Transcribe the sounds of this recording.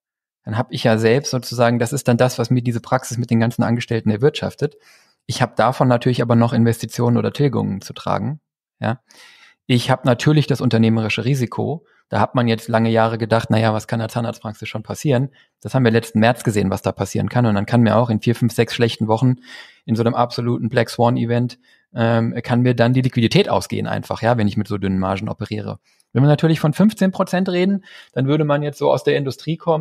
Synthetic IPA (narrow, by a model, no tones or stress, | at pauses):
d̥anɦaːbəɪçjaːzɛlpstz̥oːt͡suzaːɡŋ̩dasɪst̚d̥andasv̥asmiːɐdiːzəpʁ̥aksɪsmɪt̚deːnɡant͡sn̩ʔa̰nɡəʃtɛltn̩ɛɐvɪɐtʃa̰ftət | ʔɪçhaːbəd̥afɔnːatʰyːɐlɪçʔaːbɐnɔχʔɪnvɛstit͡sjoːnənʔoːdɐtʰɪlɡʊ̰ŋənt͡su̥tʁ̥a̰ːɡŋ̩ | ja̰ː | ʔɪçhaːbənatʰyːɐlɪçd̥asʔʊntɐneːməʁ̞ɪʃəʁiːzikʰo̰ | d̥aːhatmanjɛt͡stlaŋəjaːʁəɡədaχtnajavaskʰandaɐt͡saːnda̰ːtspʁ̥aksɪsʃoːnpʰasiːʁən | d̥ashaːbm̩viːɐlɛt͡stn̩mɛɐt͡sɡ̥əzeːənvasd̥aːpʰasiːʁənkʰanʊntmankʰanmiːɐʔaʊxɪnfiːɐfʏnfz̥ɛksʃlɛçtn̩vɔχn̩ʔɪnzoːnəmʔapz̥oluːtn̩blɛkswɔnivɛnt | ʔɛːmkʰanmiːɐdandiːlikv̥iditʰɛːtʔa̰ʊsɡ̥ḛːənʔa̰ɪnfaχjaːvɛnɪçmɪtz̥oːdʏnənmaɐʒn̩ʔɔ̰pəʁḭːʁə̰ | vɪnviɐnatʰyːɐlɪçfɔnfʏnft͡seːnpʁ̥ot͡sɛntʁeːdn̩d̥anvʏɐɾəmanjɛt͡stz̥oːa̰ʊsd̥eːɐɪndʊstʁ̥iːkʰɔmən